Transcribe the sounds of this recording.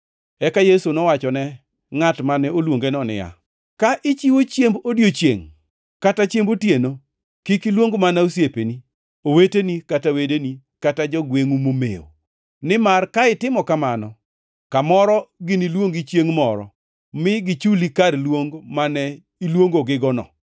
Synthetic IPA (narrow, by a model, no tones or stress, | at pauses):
ɛkajesunɔwat͡ʃɔnɛ | ŋatmanɛolwoŋɡenɔnɪ̰ja̰ | kaʔɪt͡ʃiwot͡ʃjembodjot͡ʃjḛŋ | katat͡ʃjembotjeno | kikilwoŋɡmanausjepeni | owetenikatawedeni | katad͡ʒɔɡweŋumomḛo̰ | nɪmarkaɪtɪmɔkamanɔ | kamɔɾɔɡɪnilwoŋɡit͡ʃjeŋmɔɾɔ̰ | mɪɡɪt͡ʃulikarlwoŋɡmanɛ | ilwoŋɡoɡɪɡɔnɔ̰